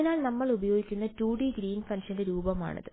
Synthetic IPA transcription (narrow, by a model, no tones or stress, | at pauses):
naːlnɐmːɐɭubɐjo̞ːɡikʲːunːɐtuːɽiɡɾiːnfɐnʂɐndeɾuːbɐma̰ːɳɐ̰ðɨ